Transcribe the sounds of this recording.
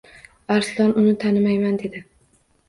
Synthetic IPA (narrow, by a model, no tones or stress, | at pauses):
aɾslˠɒnʊnɪt̪ʰanɪmajmand̪e̞d̪ɪ